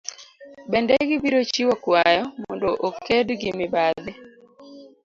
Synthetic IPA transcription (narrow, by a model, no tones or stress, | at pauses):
bɛndɛɡɪbiɾot͡ʃiwɔkwajɔmɔ̰ndoʔokʰedɡɪmɪbaðɪ